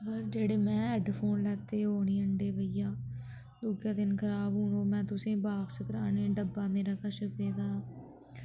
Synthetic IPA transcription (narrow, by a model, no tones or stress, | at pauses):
bəɾd͡ʒeːɽeːmɛ̃ːɛɖpʰoːnlɛːt̪eːoːɳiːəɳɖeːbəjãː | loːɡjaːd̪ɪnkʰəɾaːbɦũːɳoːmɛ̃ːt̪ʊsẽːbaːpsəkɾaːnẽːɖəbːaːmeːɾaːkaʃəpeːd̪aː